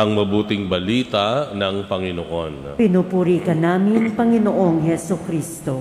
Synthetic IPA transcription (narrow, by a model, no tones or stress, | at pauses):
ʔɐŋmɐbuːt̪ɪŋbɐliːt̪ɐnɐŋpɐŋɪnoʔon | pɪnuːpuːɾiːkɐnaːmɪnpɐŋɪnoʔoŋhɛsokɾiːst̪o